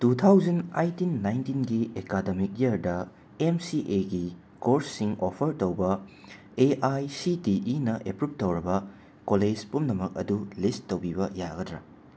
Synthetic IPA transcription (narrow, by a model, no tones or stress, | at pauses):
tutʰawd͡ʒɐna̰jtinːajntinɡiekademik̚jɐɾdɐ | emsiʔeɡi | koɾsːiŋopʰɐɾtowbɐ | eʔajsitiʔinɐʔepɾup̚tɐwɾɐbɐ | koled͡ʒpumnɐmɐk̚ɐ̰dulistːowbibɐja̰ɡɐdɾɐ̰